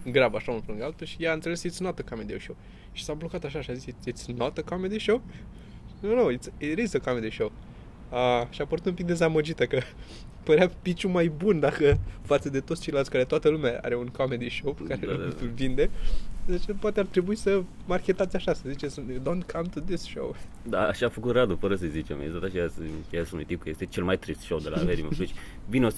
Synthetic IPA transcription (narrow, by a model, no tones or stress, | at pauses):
ɡɾabaʃaũnfluŋɡəalt̪əʃijaant̪se̞le̞sit̪snot̪əkɔmed̪ioʃow | ʃi̥sablokat̪aʃaʃiazisiit̪snot̪əkʰɔmed̪iʃowp | ʃnownowit̪siɾizəkɔmed̪iʃow | aʃiapəɾut̪umpik̚d̪e̞zaməd͡ʒit̪əkə | pəɾeapit͡ʃumajbund̪akəfat̪səd̪et̪ot̪st͡ʃejlat̪ʲkaɾe̞t̪oat̪əlumeaa̰ɾe̞unkʰɔmed̪iʃowpkaɾevind̪ed̪at͡ʃeapoat̪eart̪ɾe̞buisə | markʲe̞t̪at̪sʲaʃasəzit͡ʃesd̪õnkʰɐ̃mt̪uðɪsʃo̰w | d̪a̰a̰ʃaːfəkut̪rad̪ufəɾəsəjzit͡ʃḛmḛzot̪at͡ʃeaseasunṵjt̪ipkəjest̪et͡ʃelmajt̪ɾist̪ʃowd̪ela̰veɾiməit͡ʃ | vineos